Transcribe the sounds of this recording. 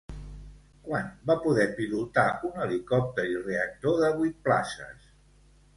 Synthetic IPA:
kwanbapuðɛpilut̪aunəlikɔp̚t̪əɾireək̚t̪oðəβujt̪̚pla̰sə̰s

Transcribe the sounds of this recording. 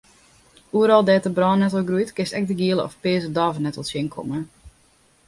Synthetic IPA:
uəɾɔlˠdɛːtəbrɔːnːɛtɔlˠɡrujtkɪstɛk̚dəɡiəlˠəɔ̰fpɪːzədɔvənɛtɔlˠsjɪŋkʰɔ̰mə

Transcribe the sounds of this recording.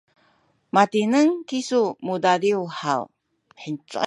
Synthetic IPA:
mat̪inəŋkisumudadiuhaw | ħint͡sa̰

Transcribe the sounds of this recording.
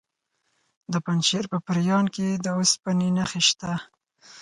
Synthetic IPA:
d̪əpanʃeɾpəpəɾjɑnked̪əospaninaxeʃt̪a

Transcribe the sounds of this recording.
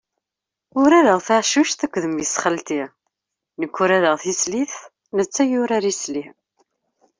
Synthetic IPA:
ʊɾæðəʁθaʕʃuʃt̪əkʷːðəmjəsχəlt̪i | nəkʷːʊɾæðəʁθisliθ | nət͡sːæjʊɾaɾisli

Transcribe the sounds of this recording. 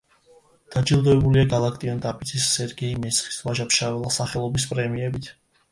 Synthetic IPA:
d̪̥ad͡ʒilˠd̪ɔɛbuliaɡalˠak̚ʰt̪ʼiɔnt̪ʼapʼisʰʼisːɛɾɡɛimɛsχi̥svaʒapʃavɛlˠasaχɛlˠɔbispʼɾɛmiɛbit̪ʰ

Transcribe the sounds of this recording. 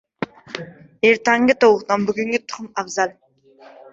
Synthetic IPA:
eɾt̪ɑŋɡʲɪt̪ʰowˠəqt̪ɑnbʏɡʲɪŋɡʲɪt̪ʰʊ̥qəmɑbzɑlˠ

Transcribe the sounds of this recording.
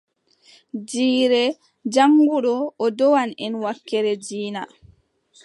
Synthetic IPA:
d͡ʒiːɾɛ | d͡ʒaŋɡuɗɔʔːdɔwanɛnwakːɛɾɛd͡ʒiːna

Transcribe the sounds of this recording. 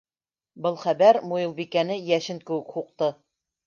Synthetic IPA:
bɤlˠχæbæɾmujɤ̆lˠbikænɘjæʃɘŋkɘ̆wɘ̆khuq̚t̪ɤ

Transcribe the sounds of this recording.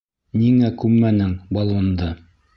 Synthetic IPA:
niŋækʉmmːænɘŋbɑlˠɤ̆nd̪ɤ

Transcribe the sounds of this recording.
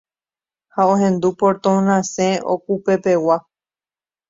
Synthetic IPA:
haoɦẽ̞nd̪upoɾt̪õnãsẽo̰kupe̞pe̞wa

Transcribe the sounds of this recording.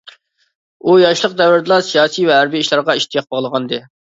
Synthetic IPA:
ujɑʃlˠəq̚d̪ɛvɪɾd̪ɨlˠɑsijɑːsijvɛɦæɾbiːʃlˠɑɾʁɑiʃt̪ʰijɑq̚bɑʁlˠəʁɑnd̪ɨ

